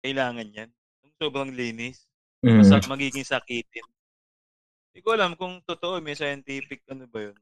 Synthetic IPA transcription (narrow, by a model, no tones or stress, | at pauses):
kɐɪlaːŋɐnjan | t̪ʊŋso̞ːbɾɐŋliːnɪs | ɐɐmɐɡiːɡɪŋsɐkiːt̪ɪn | d̪ɪkoʔɐlamkʊŋt̪ot̪oʔomɛsajɐnt̪iːpɪk̚ːɐnobɐjon